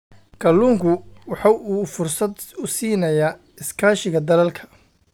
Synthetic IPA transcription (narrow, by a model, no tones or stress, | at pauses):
kʰɐlːuːŋkʰʊwɑħɑuːfʊrsɐd̪ʊsiːnɐjaː | ɪskʰaːʃɪɣɐd̪ɐlɐlkʰɐ̥